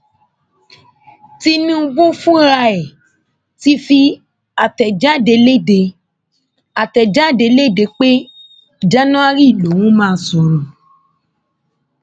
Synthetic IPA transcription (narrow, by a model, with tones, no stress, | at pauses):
ti˧nĩ˦u˧ɡ͡bo˦fũ˦ɾa˧ɛ˨ | ti˧˦fi˧ | a˨tɛ˨d͡ʒa˦˨de˧le˦˨de˧ | a˨tɛ˨d͡ʒa˦˨de˧le˦˨de˧k͡pe˦˨ | d͡ʒa˦nã˦a˦ɾi˦˨lo˨˦wũ˦mãː˦˨˦sɔ˧ɾɔ̃˨